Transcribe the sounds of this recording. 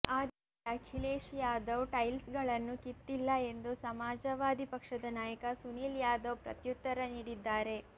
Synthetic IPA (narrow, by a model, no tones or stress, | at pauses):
aːd̪ | ɐkʰileːʃjaːd̪ɐwʈɐjlsɡɐɭɐnːukit̪ːilːɐe̞nd̪usɐmaːd͡ʒɐʋaːd̪ipɐkʂɐd̪ɐnaːjɐkɐsuniːljaːd̪ɐwpɾɐ̰t̪jut̪ːɐɾɐniːɽid̪ːaːɾe̞